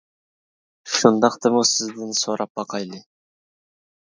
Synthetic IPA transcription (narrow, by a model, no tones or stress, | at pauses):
ʃund̪ɑqt̪əmusɪzd̪ɯnsoːɾʔɑp̚ɑqɑjlˠɪ